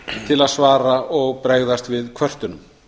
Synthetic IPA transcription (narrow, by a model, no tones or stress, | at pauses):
t̪ʰɪlaðsvaːɾaɔɣpɾeɣðast̪vɪðkʰvœr̥t̪ʏnʏm